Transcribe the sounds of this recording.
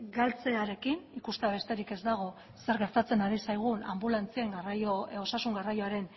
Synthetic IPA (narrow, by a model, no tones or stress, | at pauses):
ɡalt͡se̞aɾe̞kinikust̪eaβe̞st̪e̞ɾike̞zd̪aɣ̞o̞ | se̞ɾɣe̞ɾt̪at͡se̞naɾisajɣ̞una̰mbulant͡siaŋɡarajoo̞sasuŋɡarajoaɾe̞n